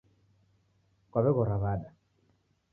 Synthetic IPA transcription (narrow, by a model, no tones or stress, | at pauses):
kwaβɛɣɔɾaβaɗa